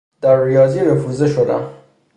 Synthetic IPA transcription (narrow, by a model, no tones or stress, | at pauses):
d̪̥æɾːijɒːziːɾefuzeʃod̪æ̰m